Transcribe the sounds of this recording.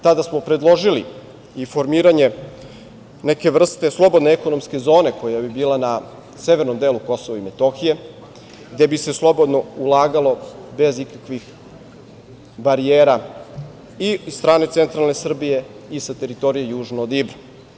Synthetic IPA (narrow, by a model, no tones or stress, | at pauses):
t̪ad̪asmo̞pɾe̞d̪lˠo̞ʒili | ifo̞ɾmiːɾaɲe̞ | neke̞ʋr̩st̪e̞slˠo̞bo̞d̪neeko̞no̞mske̞zo̞ːne̞ko̞jabibiːlˠana | se̞ʋe̞ɾno̞md̪eːluko̞so̞ʋaime̞t̪o̞xije̞ | ɡd̪e̞bise̞slˠo̞bo̞d̪no̞ulˠaːɡalˠo̞be̞zikakʋix | baɾijeːɾa | iisst̪ɾaːne̞t̪se̞nt̪ɾalne̞sr̩bije̞ | isat̪e̞ɾit̪o̞ɾijejuːʒnod̪ibɾa